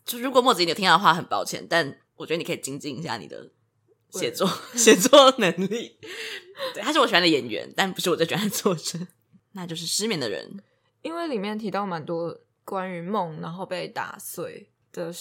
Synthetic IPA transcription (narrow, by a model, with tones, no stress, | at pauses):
t͡ɕjo˥˩ʊ˧ɻu˧˥kwɔ˨˩mwɔ˥˩t͡s̩˨˧˥tʰi˥˩d̪ə˧xwa˥˩xə˨˩npɑ˥ʊt͡ɕʰjɛ̰˧˦nt̪a˥˩n | wɔ˨˩t͡ɕɥd̪ni˨˩kʰi˨˩t͡ɕi˥ŋt͡ɕi˥˧ŋi˧˥ɕja̰˥˩nḭ˨˩d̪ə̰˦ | ɕjɛ˨˥˦t͡swɔ˥˩ɕjɛ˨˩t͡swɔ˥˩nə˨˧˥ŋli˥˩ | a˥ʂɻ̩˥˩wɔ˨˩ɕa˧˥d̪ə˧˩jɛ˨˩nɥɛ̰˧˦nt̪a˥˩npu˧˥ʂɻ̩˥˩wɔ˨˩t͡ɕt͡ɕɥɛ˧˥a˧˩t͡swɔ˥˧ʈ͡ʂʰə˥˦ | na˥˧t͡ɕjo˥˧ʊʂ̬ɻ̩˥˩ʂɻ̩˥mjɛ˧˥ŋd̪ə̰˨ɻə̰˧˦n | i˥nwe˥˩ɪli˨˩mjɛ˥˩nt̪ʰi˧˥t̪ɑ˥˩ʊma˨˦nt̪wɔ˥ | kwa˦ny˧˥mɔ˥˩ŋna˧˦nxo˥˧ʊpe˥˧ɪt̪a̰˨˩swe˥˩ɪ | d̪̥ə˨˩